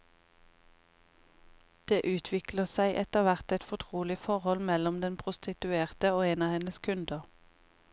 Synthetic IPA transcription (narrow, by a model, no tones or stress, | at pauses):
d̪̥eːʔʉːt̪ʰʋɪkləsæɪʔɛt̪əʁʋæʁt̪ɛt̪fɔt̪ʰʁuːlɪfɔʁhɔlmɛlɔmd̪ɛnpʰʁʊst̪ɪt̪ʉeːʁt̪əoːeːnɑːhɛnəskʰʉnd̪əʁ